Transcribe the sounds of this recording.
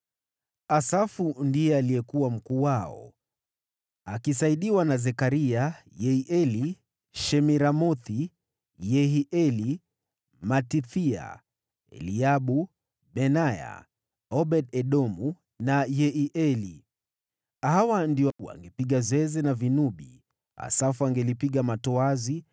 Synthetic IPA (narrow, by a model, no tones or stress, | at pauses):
asafundijɛaliɛkuwam̩kuːwaɔ̰ | akisaiɗiwanazɛkaɾiajɛiʔɛli | ʃɛmiɾamɔθi | jɛɦiʔɛli | matiθia̰ | ɛ̰liaɓu | ɓɛnaja̰ | ɔɓɛɗɛɗɔmu | najɛiʔɛli | hawandiɔa̰ŋɡɛpiɠazwɛzɛnavinuɓi | a̰safuaŋɡɛlipiɠamatɔazi